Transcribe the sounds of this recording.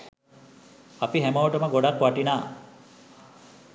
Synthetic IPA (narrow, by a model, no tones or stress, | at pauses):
apiɦæmouʈəməɡoɖakwaʈinaː